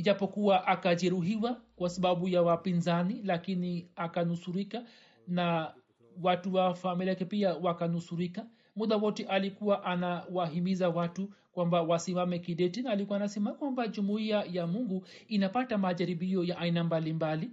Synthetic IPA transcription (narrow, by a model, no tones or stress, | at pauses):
iʄapɔkuwaʔakaʄɛɾuɦiwakwasaɓaɓujawapinzanilakiniakanusuɾika | na | watuwafamiliajakɛpiawakanusuɾika | muɗawɔtɛʔalikuwaʔanawaɦimizawatukwambawasimamɛkiɗɛtinaːlikuwanasɛmakwambaʄumuiajamuŋɡu | inapatamaʄaɾiɓiɔjaʔainambalimbali